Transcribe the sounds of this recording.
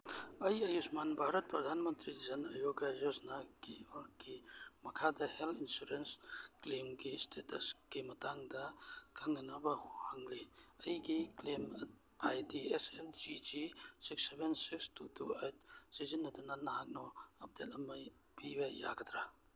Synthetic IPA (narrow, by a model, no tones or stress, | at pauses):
ɐjɐjusmanbʱaɾɐt̚pɾɐd̪ʱanmɐnt̪ɾizɐnɐjoɡazosnaɡiɔɾɡimɐkʰadɐheltinsuɾensklemɡistʰetɐsɡ̥imɐtaŋdɐkʰaŋːanabɐhuhaŋliɐjɡiklem | ajdiesepd͡ʒid͡ʒisiksːebensikstutuejt̚sizinːɐdunanːaɦak̚nɔɐp̚detɐmɐj | bibaja̰ɡɐtɾa